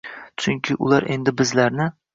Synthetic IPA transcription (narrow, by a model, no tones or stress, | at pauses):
t͡ʃʰʊŋkʲʰɪʔʊ̰lˠaɾʔe̞nd̪ɪbɪzlaɾnɪ